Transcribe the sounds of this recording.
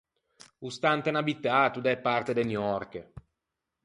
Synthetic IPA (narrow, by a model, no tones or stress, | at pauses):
ust̪ant̪enabit̪ːat̪ud̪ɛpːart̪ed̪enjɔrke